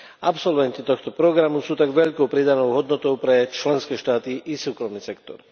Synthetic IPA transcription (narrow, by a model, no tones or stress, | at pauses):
apsɔlʋɛnt̪it̪ɔxt̪ɔpɾɔɡɾamusuːt̪aɡʋɛʎkɔʊpɾid̪anɔʊɦɔd̪nɔt̪ɔʊpɾɛt͡ʃlɛnskɛːʃt̪aːt̪iʔisuːkɾɔmniːsɛkt̪ɔ̰ɾ